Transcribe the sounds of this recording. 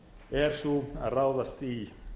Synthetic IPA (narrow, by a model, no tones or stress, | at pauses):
ɛɾ̥sua̰ðraːwðast̪i